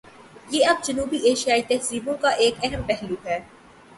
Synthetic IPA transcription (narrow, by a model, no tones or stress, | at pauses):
jeːɐb̚d͡ʒɐnuːbiʔeːʃijaːit̪ɐɦziːbõkaʔeːkɛɦəmpɛɦluːɦɛː